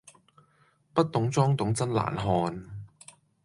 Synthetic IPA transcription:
pɐ˥t̚t̪ʊ˨˥ŋt͡sɔː˥ŋt̪ʊ˨˥ŋt͡sɐ˥nla̰ː˨˩nɦɔː˧n

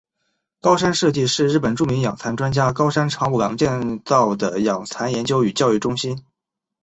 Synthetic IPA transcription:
kɑ˥ʊʂa˥nʂɤ˥˧t͡ɕi˥˧ʂɻ̩˥˧ɻ̩˥˩pə˨˩nʈ͡ʂu˥˩mi˧˥ŋjɑ˨˩ŋt͡sʰa˧˥nʈ͡ʂwa˥nt͡ɕja˥kɑ˥ʊʂa˥nʈ͡ʂʰɑ˧˥ŋu˨˩ljɑ˧˥ŋt͡ɕjɛ˥˧nt͡sɑ˥˩ʊd̪ə˩jɑ˨˩ŋt͡sʰa˧˥njɛ˧˥nt͡ɕjo˥ʊy˨˩t͡ɕjɑ˥˧ʊy˥˩ʈ͡ʂʊ˥ŋɕi˥n

